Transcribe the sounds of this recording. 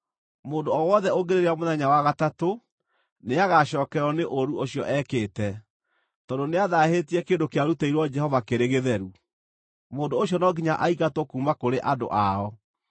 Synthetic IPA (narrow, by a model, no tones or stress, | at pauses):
moːndoɔwɔðɛoɡeɾeɾeamoðɛɲawaɣatato | neaɣaɕɔːkɛɔneʔoɾuoɕjɔ̰ʔɛkeːtɛ | tɔndoneaðahetiɛkeːndokeaɾutɛiɾwɔd͡ʒɛhɔvakeɾeɣeðɛɾu | moːndoːɕjɔnɔɡiɲaʔaiɣatɔkuːmakoɾeʔado̰ʔaɔ